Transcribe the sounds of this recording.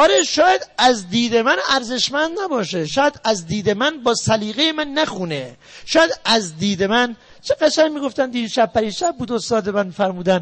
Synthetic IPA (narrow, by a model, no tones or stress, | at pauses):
ɒːɾeʃɒːjæd̪æzd̪iːd̪emænæɾze̞ʃmænd̪næbɒːʃeʃɒːjæd̪æzd̪iːd̪emænbɒːsæliːɣejemænːæxune | ʃɒːjæd̪æzd̪iːd̪emæn | t͡ʃʰeɣ̥æʃæŋmiːɡoft̪ænd̪iːʃæb̚pʰːæɾiːʃæb̚buːd̪ost̪ɒːd̪e̞mænmifæɾmuːd̪æn